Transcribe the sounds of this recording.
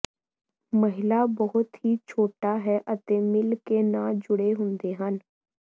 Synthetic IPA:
məɦɪlabəɦʊt̪ɦit͡ʃʰoːʈaɦɛʔət̪ẽmɪlkenad͡ʒʊɽeɦʊ̃nd̪eɦən

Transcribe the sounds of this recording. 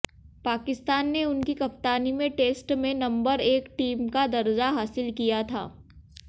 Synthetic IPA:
paːkɪst̪aːnːeʊnkikɐp̚t̪aːnimẽʈeːsʈmẽnɐ̃mbəɾeːkʈiːmkad̪ɐɾd͡ʒaɦaːsɪlkijat̪ʰa̰ː

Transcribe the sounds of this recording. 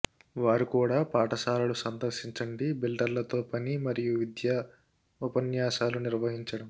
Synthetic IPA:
ʋaːɾukuːɽaːpaːʈɐsaːlɐlusɐnd̪ɐɾʂiɲt͡ʃɐɳɖibilɖɐɾlɐt̪oːpɐnimɐɾijuʋid̪jɐ | upɐnjaːʃaːluniɾʋɐɦiɲt͡ʃɐɽɐm

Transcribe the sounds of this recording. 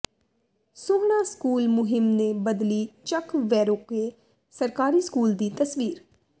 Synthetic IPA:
soːɦɳ̃aːskuːlmʊɦɪmneːbəd̪liːt͡ʃəkʋɛːɾoːkeː | səɾkaːɾiːskuːld̪iːt̪əsʋiːɾ

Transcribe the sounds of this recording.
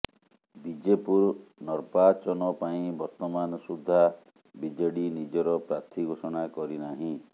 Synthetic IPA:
bid͡ʒepuɾnɔɾpat͡ʃɔnɔpaĩbɔɾt̪ɔmanɔsud̪ʱːa | bid͡ʒɔɽinid͡ʒɔɾɔpɾat̪ʰiɡʱosɔɽ̃akɔɾinaɦĩ

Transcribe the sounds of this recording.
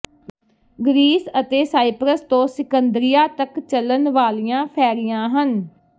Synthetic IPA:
ɡɾiːsət̪eːsaːɪpɾəst̪õːsɪkənd̪ɾɪjaːt̪əkt͡ʃələnʋaːlijãːpʰɛːɾijãːɦən

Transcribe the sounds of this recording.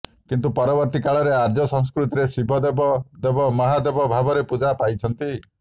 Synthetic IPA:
kint̪upɔɾɔbɔɾt̪ikaɭɔɾeaɾd͡ʒɔsɔ̃ŋskɾut̪iɾesibʱɔd̪ebɔd̪ebɔmɔɦad̪ebɔbʱabɔɾepud͡ʒapajt͡ʃʰɔnt̪i

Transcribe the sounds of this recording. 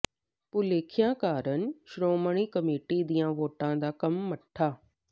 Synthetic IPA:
pʊleːkʰijãkaːɾən̆ʃɾoːməɽ̃ikɐmeːʈid̪iːjãʋoːʈãːd̪aːkɐmːɐʈʰːaː

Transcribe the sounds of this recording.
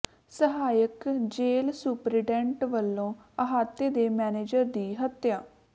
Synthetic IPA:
səɦaːjəkd͡ʒeːlsupɾɪʈɛ̃ːɳʈʋəlːõːəɦaːt̪ːeːd̪eːmɛːneːd͡ʒəɾd̪iːɦət̪jaː

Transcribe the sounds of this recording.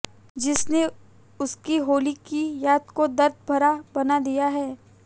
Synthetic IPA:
d͡ʒɪsne | ʊskiɦoːlikijaːd̪̚kod̪ɐɾd̪̚ʱbʱɐɾabɐnad̪ijaɦɛː

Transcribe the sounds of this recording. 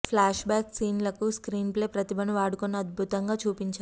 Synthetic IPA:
pʰlaːʃbaːksiːnlɐkuskɾiːnple̞ːpɾɐt̪ibɐnuʋaːɽukunːɐɐd̪̚bʱut̪ɐŋɡaːt͡ʃuːpiɲt͡ʃaː

